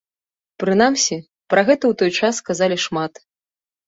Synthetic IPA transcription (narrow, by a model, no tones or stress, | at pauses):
pɾɨnamsʲi | pɾʔɐɣɛt̪ɐwt̪ɔjt͡ʂasːkazalʲiʂmat̪